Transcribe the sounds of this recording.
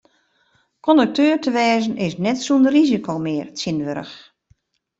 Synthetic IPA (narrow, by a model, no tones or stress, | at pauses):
kʰɔndək̚tʰøːrtəʋɛːzənʔɪsnɛtsuəndərizikʰomɪːərtsɪnʋøɾə̰x